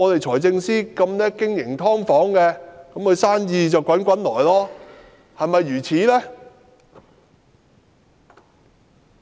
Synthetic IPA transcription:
ɔː˨˧t̪e˨jt͡sʰɔː˨˩jt͡sɪ˧ŋsiː˥kɐ˧mnɛː˥kɪ˥ŋjɪ˨˩ŋt̪ʰɔː˥ŋfɔː˨˥ŋkɛː˧kɐ˨˥mkɵ˨˧jsaː˥njiː˨˧t͡sɐ˨wkʷɐ˨˥nkʷɐ˨˥nlɔː˨˩jlɔː˥ | hɐ˨jmɐ˨jːyː˨˩t͡sʰiː˨˥lɛː˥

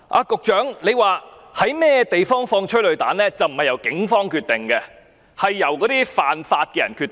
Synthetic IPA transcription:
ʔa̰ː˧kʊ˨k̚t͡ʃœː˨˥ŋne˨˧jwaː˨ | hɐ˨˥jmɛː˥t̪e˨jfɔː˥ŋfɔː˧ŋt͡ʃʰɵ˥lɵ˨˧ɥt̪aː˨˥nlɛː˥t͡sɐ˨wm̩˨˩hɐ˨jɐ˨˩wkɪ˨˥ŋfɔː˥ŋkʰyː˧t̪ɪ˨˩ŋkɛ˧ | hɐ˨jːɐ˨˩wkɔː˨˥t̪iː˥faː˨nfaː˧t̚kɛː˧jɐ˨˩nkʰyː˧t̪

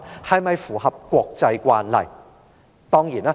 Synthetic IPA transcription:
hɐ˨jmɐ˨jfuː˨˩hɐ˨p̚kʷɔː˧k̚t͡sɐ˧jkʷaː˧nlɐ̰˨˩j | t̪ɔː˥ŋjiː˨˩naː˥

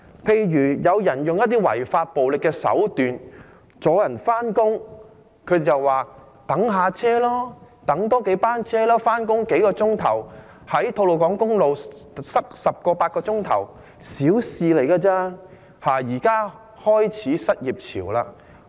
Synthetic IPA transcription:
pʰe˧jɥyː˨˩jɐ˨˧wjɐ˨˩njʊ˨ŋjɐ˥t̪̬iː˥wɐ̰˨˩jfaː˧t̚po˨wlɪ˨kːɛː˧sɐ̰˨˥wt̪yː˨n | t͡sɔː˨˥jɐ˨˩nfaː˥nkʊ˥ŋ | kʰɵ˨˧˨t͡sɐ˨wwaː˨ | t̪ɐ˨˥ŋɦaː˨t͡sʰɛː˥lɔː˥ | t̪ɐ˨˥ŋt̪ɔː˥ke˨˧˥jpaː˥nt͡sʰɛː˥lɔː˥faː˥nkʊ˥ŋke˨˥jkɔː˧t͡sʊ˥ŋt̪ʰɐ̰˨˩w | hɐ˨˥jt̪ʰo˧wlo˨wkɔː˨˥ŋkʊ˥ŋlo˨wsɐ˥k̚sɐ˨p̚kɔː˧paː˧t̚kɔː˧t͡sʊ˥ŋt̪ʰɐ̰˨˩w | siː˨˥wsiː˨˧le˨˩jkaː˧t͡saː˥ | haː˨˩jiː˨˩kaː˥ | hɔː˥jt͡sʰiː˨˥sɐ˥t̚jiː˨˩p̚t͡sʰḭː˨˩wlaː˧

